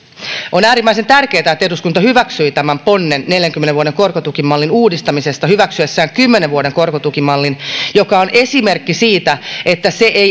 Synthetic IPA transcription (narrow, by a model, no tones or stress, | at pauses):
ʔonæːɾimːæise̞nt̪ærke̞ːt̪æet̪ːeduskunt̪ɑhyʋæksyit̪æmæmpo̞nːenːe̞ljæŋkymeneʋuode̞ŋko̞rkot̪ukimːɑlːinuːdist̪ɑmise̞st̪ɑhyʋæksyesːæːŋkymːeneʋʋuode̞ŋko̞rkot̪ukimːɑlːinjo̞kɑone̞sime̞rkːisiːt̪æe̞t̪ːæse̞ʔe